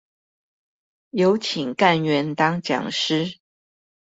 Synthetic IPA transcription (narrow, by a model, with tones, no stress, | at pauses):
jo˧˦ʊt͡ɕʰi˨˩ŋka˥˨nɥɛ˧˥nt̪ɑ˥ŋt͡ɕjɑ̰˨˩ŋʂɻ̩˥